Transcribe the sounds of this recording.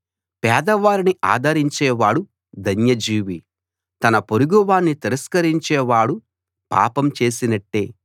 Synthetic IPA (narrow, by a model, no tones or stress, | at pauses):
pɛːd̪ɐʋaːɾiniʔa̰ːd̪ʱɐɾiɲt͡ʃɛːʋaːɽu | d̪ʱɐnjɐd͡ʒiːʋi | t̪ɐnɐpoɾuɡuʋaːnːit̪iɾɐskɐɾiɲt͡ʃɛːʋaːɽu | pa̰ːpɐmt͡ʃe̞ːsinɐʈːe̞ː